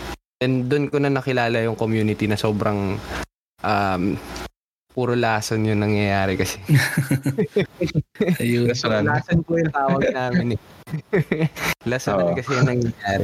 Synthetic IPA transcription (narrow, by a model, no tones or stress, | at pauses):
ɛnd̪ʊnkonɐnɐkɪlaːlɐjʊŋkomjuːnɪt̪inɐso̞ːbɾɐŋ | ʔam | puːɾolaːsonjʊŋnɐŋjɐjaːɾɛkɐsɛ | jʊɐsɾalaːsonpʊjʊnt̪aːwɐɡ̚naːmɪnɛ | lasoɐkɐsɛjɐŋnɐŋjɐjaːɾɛ